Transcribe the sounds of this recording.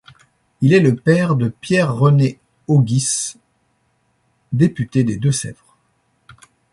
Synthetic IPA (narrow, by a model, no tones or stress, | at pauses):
ilɛləpɛʁd̪əpjɛʁːəne | oɡʲis | d̪epyt̪ed̪ed̪øsɛ̰vʁ